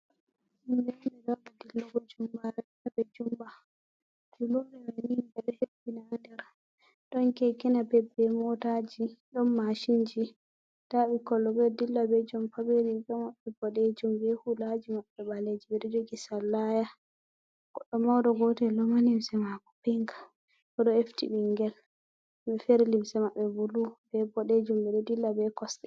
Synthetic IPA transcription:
inbɛnbɛɡawɗadilːɔɡɔd͡ʒumbaɾɛ | abɛd͡ʒumba | d͡ʒulɔɾɛwaninbɛɾɛhebinandɛɾ | ɗɔnkɛkinabɛbɛmɔtad͡ʒiɗɔnːaʃind͡ʒi | d̥aɓikɔlːɔbɛdilːabɛd͡ʒɔmpabeɾibɛmaɓːɛbɔɗed͡ʒumbɛhulad͡ʒimaɓːɛɓaled͡ʒibɛɗɛd͡ʒoɡisalːaja | ɡ̥ɔɗːɔmawdɔɡɔtɛlɔmanimsɛmakɔ̥piŋɡḁ | kɔɗɔeftiɓiŋɡɛl | ɓɛfeɾlimsɛmaɓːɛbulubɛbɔɗed͡ʒumbɛɗɔdilːabɛkɔsɛ̥

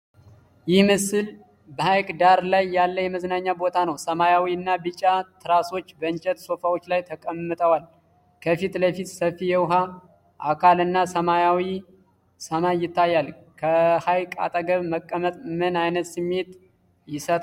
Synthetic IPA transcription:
jɪhmɨsɨl | bəhajkʼd̪aɾlajːalːəjɛməznaɲːabo̞t̪ʰanəwsəmajawiɨnːabɨt͡ʃʼat̪ʰɨɾaso̞t͡ʃːbəɨnt͡ʃʼɛt̪so̞fawo̞t͡ʃːlajt̪ʰəkʼəmːɨt̪ʼəwal | kʰəfit̪ləfit̪səfːijɛwʊɦa | ʔa̰kʰalɨnːasəmajawi | səmajːɪt̪ʰːajːal | kʰəhajkʼa̰t̪ʼəɡəβməkʼːəmət̪ʼmɨnajnət̪sɨmːet̪ | jɪsət̪ʼ

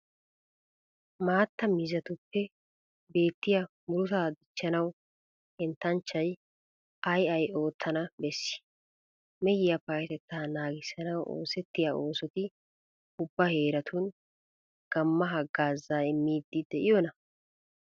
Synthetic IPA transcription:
maːt̪ːɐmɪzɐt̪ʊpːɛ | be̞ːt̪ːɪjɐmʊɾʊt̪aːd̪ɪt͡ʃːɐnɐw | hɛnt̪ːɐnt͡ʃːɐj | ʔɐjɐjo̞ːt̪ʰːɐnɐbɛsːɪ̥ | mɛjɪjɐpaːt̪ɛt̪ːaːnaːɡɪsɐnɐwʔo̰ːsɛt̪ːɪjao̞ːsɔt̪ɪ | ʊbːɐhe̞ːɾɐt̪ʰun | ɡ̥ɐmːɐɦɐɡaːzːaːɪmːiːd̪ːɪd̪ɛʔɪjɔnɐ

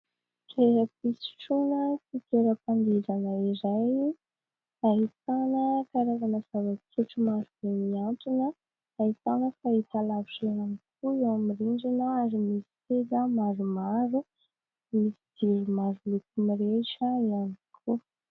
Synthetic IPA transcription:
reɦəpisi̥ʈ͡ʂunəfit̪eɾəpand̪iɾanəiɾaj | aɦit̪anəkaɾaɾanazavat͡suʈ͡ʂumaɾub̥emiant̪inə | aɦit̪anəfait̪alaviʃeɦankuiawmiɾiɳɖ͡ʐinaaɾimisi̥ted̪əmaɾumaɾu | misid̪̥iɾimaɾulukumiɾeʃəianikʰu

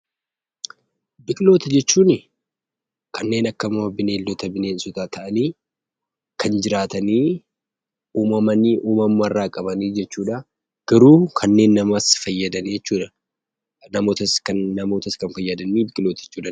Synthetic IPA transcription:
bɪkʼɪlo̞ːt̪ɐd͡ʒɛt͡ʃːuːnɪ | kʰɐnːe̞ːnɐkːɐmmɐbɪneːld̪ɔt̪ɐbɪneːnsʊt̪aːt̪ʰɐʔɐniː | kɐnd͡ʒɪɾaːt̪ɐniː | uːmɐmɐniːʔuːmɐmːɐrːaːkʼɐbɐniːd͡ʒɛt͡ʃːuːᶑɐ | ɡ̥ɐɾuːkʰɐnːe̞ːnːɐmɐsfɐjːɐd̪ɐniɛt͡ʃːuːᶑɐ̥ | nɐmo̞ːt̪ɐskɐnːɐmo̞ːt̪ɐskɐnfɐjːɐd̪ɐniːbɪkʼɪlo̞ːt̪ɐɛt͡ʃːuːᶑɐ

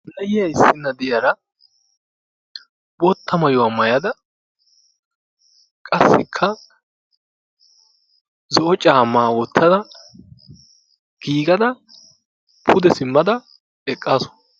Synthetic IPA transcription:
nɐjɪjɐɪsːɪnːɐd̪ɪjɐɾɐ | bot̪ːɐmɐjʊwɐmɐjɐd̪ɐ | kʼɐsːɪkʰːɐ | zɔʔɔt͡ʃʼaːmːaːwɔt̪ːɐd̪ɐ | ɡ̥iːɡɐd̪ɐ | pʰʊd̪ɛsɪmːɐd̪ɐ | ɛkʼːaːsɔ

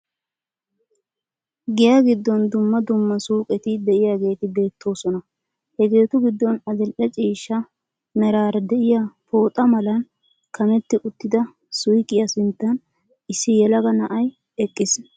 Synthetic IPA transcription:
ɡɪjaɡɪd̪ːɔnd̪ʊmːɐd̪ʊmːɐsuːkʼɛt̪ɪd̪ɛʔɪjaːɡe̞ːt̪ɪbe̞ːt̪ʰːo̞ːsɔnɐ | hɛɡe̞ːt̪ʊɡɪd̪ːɔnɐd̪ɛlʔɛt͡ʃʼiːʃːɐ | mɛɾaːɾɛd̪ɛʔɪjapo̞ːt̪ʼɐmɐlɐn | kʰɐmɛt̪ːɪʔʊt̪ːɪd̪ɐ | sʊjkʼːɪjɐsɪnt̪ːɐn | ɪsːɪjɛlɐɡɐnɐʔɐj | ɛkʼːɪs

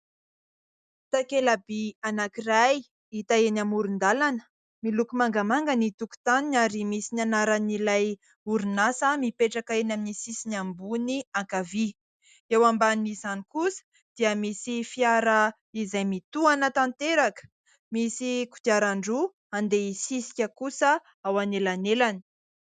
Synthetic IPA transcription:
t̪akelabianakiraj | it̪aenamuɾund̪alanə̥ | milukumaŋɡamaŋɡənit̪uku̥t̪aninaɾimisinanaɾanilaj | uɾunasəmipeʈ͡ʂakaenʲaminisisinambuniaŋkavi | ewambanizanikusə̥ | d̪̥iəmisifiaɾə | izajmit̪uanət̪ant̪eɾakə̥ | misiku̥t̪iaɾaɳɖ͡ʐu | and̪eisisi̥kʲəkusə | awanelanelani̥

